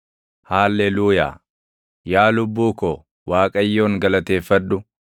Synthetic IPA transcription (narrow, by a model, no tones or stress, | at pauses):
haːlːɛluːja̰ː | jaːlʊbːuːkɔ | waːkʼɐjːo̞ːŋɡɐlɐt̪e̞ːfːɐd̪ːʊ